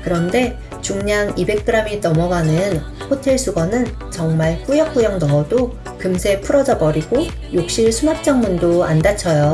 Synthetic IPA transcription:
kɯɾʌnde̞ | t͡ɕuŋɲaŋibe̞k̚k͈ɯɾamitʌmʌɡanɯn | ɸotʰe̞ɭs͈ʰuɡʌnɯn | t͡ɕʌŋmaɭk͈ujʌk̚k͈ujʌŋnʌdo | kɯmsʰe̞pʰuɾʌd͡ʑʌbʌɾiɡo | jok̚ɕ͈iɭsʰumak̚t͡ɕ͈ʌŋmundoandat͡ɕʰʌjo

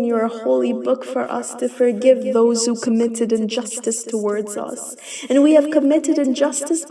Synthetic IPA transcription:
njə˞əhoʊlˠibʊkfə̰˞ʔʌ̰stʰɨfə˞ɡɪvðoʊz̥hukʰəmɪɾɨɾɨ̃nd͡ʒʌstɨstʰəwɔɹdz̥ʌ̰s | ɨ̃nwiɨv̥kʰəmɪɾɨɾɨ̃nd͡ʒʌstɨs

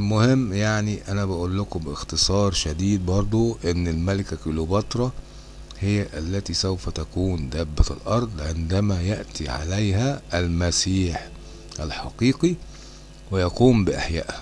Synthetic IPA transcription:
lmʊhɪmːjaʕniʔænæbæʔulːʊkobɪxt̪ɨsˤɑːɾˤʃæd̪iːd̪̚bɑɾˤd̪ˤoʔenːɪlmælɪkækolobɑt̪ɾˤɑ | hɪjːæʔælːæt̪isæwfæt̪ækuːnd̪æbːæt̪ælʔɑɾˤd̪ˤʕend̪æmæjæʔt̪ʰiʕa̰læjɦæʔælmæsiːħ | ʔælħɑqiːqi | wejɑquːmbɪʔæħjæ̰ːʔhæ̥

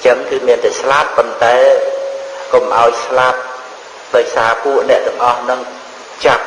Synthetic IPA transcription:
t͡ɕəŋkɨːmiənt̪aɛslapːont̪aɛ | komʔaɔjslap̚ | ɗaɔjsaːpuəʔnɛ̆əʔt̪ɛ̆əŋʔɑhnɨŋ | t͡ɕap̚

